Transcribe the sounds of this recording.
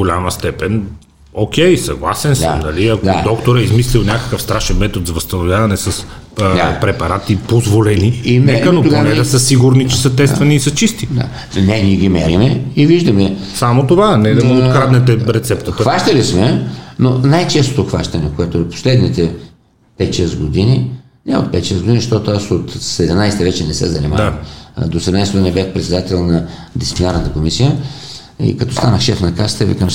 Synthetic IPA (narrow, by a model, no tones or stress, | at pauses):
ɡolʲaməst̪ɛpɛn | okʲɛjsɐ̰ɡlˠa̰sɛnsd̪əa̰mnɐliɐkod̪a̰d̪ɔkt̪oɾəizmislilˠnʲakə̥kəfst̪ɾaʃɛnmɛt̪ot̪zɐvɐst̪ɐnovʲjavɐnɛsɐs | d̪apɾɛpɐɾat̪ipozvolɛniinɛkənopɡonɛd̪əsəsiɡuɾnit͡ʃɛ̥sɐt̪ɛst̪vɐniːsɐt͡ʃist̪id̪a̰ | nɛniɛɡʲimɛ̰ɾimɛiviʒd̪ɐmɛ | samot̪ovanɛd̪ɐmoot̪kɾad̪nɛt̪ɛɾɛt̪sɛp̚t̪əxvaʃt̪ɐlismɛnonajt͡ʃɛst̪o̥t̪oxva̰ʃt̪ɐnɛkoɛt̪oopo̥slɛd̪nit̪ɛ | pɛt̪̚t͡ʃɛzɡod̪ini | nɛo̰t̪̚pɛt̪t͡ʃɛzɡod̪inzəʃt̪ɔt̪oasot̪sɛd̪ɛmnajst̪ɛvɛt͡ʃɛnɛsɛ̰zɐnḭmad̪osɛd̪ɛmnajsɡod̪inibɛxpɾɛt̪sɛd̪at̪ɛlˠnɐ | d̪it̪iplʲinaɾnt̪əkomisijə | ḭkɐt̪ɔst̪anəxʃɛfnɐkast̪əvḭkam